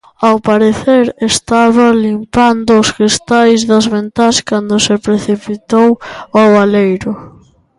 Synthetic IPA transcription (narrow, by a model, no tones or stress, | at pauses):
awpaɾeθeɾest̪aβɐlimpand̪ʊːsɣɾist̪ajzðɐzβent̪askand̪ʊsɪpɾeθipit̪owaβalejɾʊ